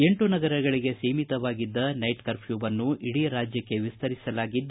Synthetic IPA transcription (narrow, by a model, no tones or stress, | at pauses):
e̞ɳʈunɐɡɐɾɐɡɐɭiɡe̞seːmit̪ɐʋaːɡid̪ːɐnɐjʈkɐɾpʰjuːbɐnːuiɽiɾaːd͡ʒjɐkːe̞ʋist̪ɐɾisɐlaːɡid̪ː